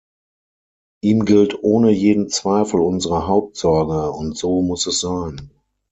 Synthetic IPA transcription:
ʔiːmɡɪltʰʔoːnəjeːdn̩t͡sv̥aɪfl̩ʊnzəʁəɦaʊp̚tz̥ɔɐɡəʊntz̥oːmʊsɛsz̥aɪn

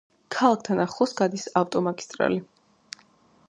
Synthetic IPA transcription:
kʰalˠak̚ʰt̪ʰanaχˠɔsɡ̥ad̪isaft̪ʼɔmaɡist̪ʼɾa̰li

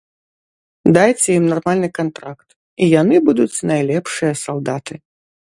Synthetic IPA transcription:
d̪ajt͡sʲɛjimnarmalʲnɨkant̪ɾakt̪ | ijanɨbud̪ut͡sʲnajlʲɛpʂɨjɐsalˠd̪at̪ɨ

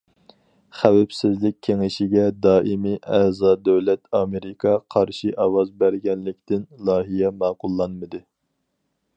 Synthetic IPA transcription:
χæwæpsɪzlɪk̚ʲʰːeŋɪʃiɡʲɛd̪ɑːʔimiʔæzɑːd̪øwlɛt̪ʰɑːmeɾɪkʰɑqʰɑɾʃiʔɑwɑzbæɾɡʲɛnlɪkʲt̪ɪnlˠɑːɦijɛmɑːqʊlˠːɑnmɨd̪ɨ

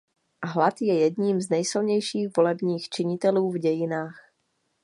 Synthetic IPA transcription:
ɦlat̪jɛjɛd̪ɲiːmznɛjsɪlɲɛjʃiːɣvo̞lɛbɲiːxt͡ʃɪɲɪt̪ɛluːvɟɛjɪnaːx

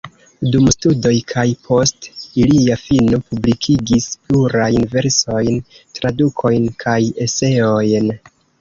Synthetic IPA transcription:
dumstudo̞jkʰajpʰo̞stiliafinopublikʰiɡispluɾajnve̞ɾso̞jn | tɾadukʰo̞jnkʰaje̞se̞o̞jn

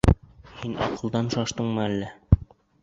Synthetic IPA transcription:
hinɒ̰qɤ̆lˠd̪ɑnʃɑʃt̪ɤɴmɤælːæ

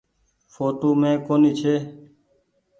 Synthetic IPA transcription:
foːʈoːmẽːkoːniːt͡ʃʰeː

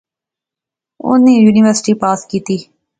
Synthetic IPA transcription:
ʊ̰nejuːniʋəɾsɪ̥ʈiːpaːskiːt̪iː

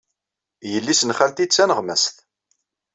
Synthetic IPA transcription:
jəlːisənχælt̪it͡sːænəʁmæst̪

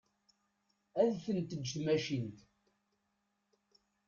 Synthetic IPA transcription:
æðθənt̪əd͡ʒːt̪mæʃint̪

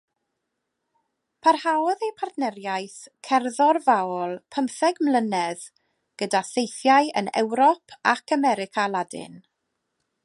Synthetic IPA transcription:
pʰarhawðejpʰartnɛɾjajθkʰɛrðɔrvaɔlˠpʰəmθɛɡmlənɛð | ɡ̥ədaθejθjajə̰nɛ̰wɾɔpʰakʰamɛɾɪkʰalˠadɪ̰n

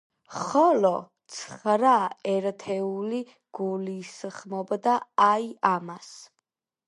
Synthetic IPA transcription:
χɔlɔt̪sʰχɾaɛɾt̪ʰɛuli | ɡ̥ulisχmɔbd̪aajamas

